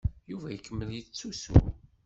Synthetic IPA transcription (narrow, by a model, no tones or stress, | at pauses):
juvæjəkːəmːəljit͡sːusṵ